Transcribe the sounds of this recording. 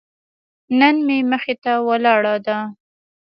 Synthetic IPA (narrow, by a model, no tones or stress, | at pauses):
nənmeməxet̪awalɑɽɑd̪a